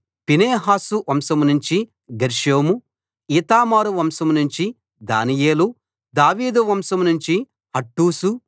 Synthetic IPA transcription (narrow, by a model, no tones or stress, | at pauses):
pineːɦaːsuʋɐmsɐmunuɲt͡ʃi | ɡɐɾʃoːmu | iːt̪aːmaːɾuʋɐmsɐmunuɲt͡ʃi | d̪a̰ːnijeːlu | d̪aːʋiːd̪uʋɐmsɐmunuɲt͡ʃi | hɐʈːuːsu